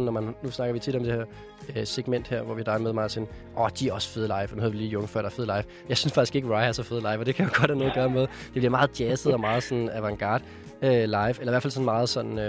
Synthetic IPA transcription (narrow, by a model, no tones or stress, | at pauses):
n̩ːɒmænnusnɑ̈ɡ̥ɐʋit͡sʰid̥ɒ̽md̥e̝heɐ̰ | seɡ̥men̰d̥heɐ̰ʋɒʋihd̥ɑ̈ɪmeðˠmɑ̈ːseːn | ʔɒd̥iæɐɒ̽sə̥fe̝ð̞ˠəlɑ̈ɪʋnuheðˠʋiliːjɔ̽ŋəfɶ̰ɐ̰d̥ɑɐfe̝ð̞̩ˠlɑ̈ɪʋ | jɑ̈ɪsynsfɑ̈ɡ̥isɡ̥e̝ɡ̥əʁɑ̈ɪæɐsɒ̽feð̞̩ˠəlɑ̈ɪfɒd̥e̝kʰæjoɡ̥ɒ̽d̥hænoːɐɡ̥ɶːɐmeðˠd̥eb̥liɐmɑ̈ːð̞̩ˠd̥jæsəð̩ˠɒ̽mɑ̈ːð̩ˠsɒ̽nn̩æʋæŋɡ̥ɑ̰̈ːd̥ | ølɑ̈ɪʋelɐiʋæɐ̰fælsɒ̽nmɑ̈ːð̩ˠsɒ̽n̰n̩